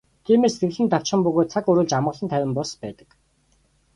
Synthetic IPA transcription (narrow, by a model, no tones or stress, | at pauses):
t̪ʰiːmeːst̪ɘ̆ɣɮɘ̆nt̪aw̥t͡ɕχə̆mpɵɣoːt̪̚t͡sʰakɵɾɵ̆ːɮt͡ɕamʁə̆ɮə̆nt̪ʰæwʲɪ̆mpɔspæːt̪ə̥̆k